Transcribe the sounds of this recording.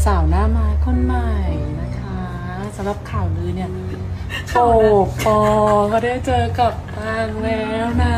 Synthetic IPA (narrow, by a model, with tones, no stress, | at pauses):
saː˨˩˦wnaː˥˩maː˧˥jkʰo˧˥˨nma˨˩jna˦˥kʰa˦˥ | sa˩˦mɾa˧˩p̚kʰaː˨˩wnɯː˧ni˥˩ɐ | poː˨˩k̚pɔː˧kʰɔː˧˩daː˥˩jt͡ɕɤː˧ka˨˩p̚t̪ʰaː˧ŋlɛː˦˥wna˦˥˩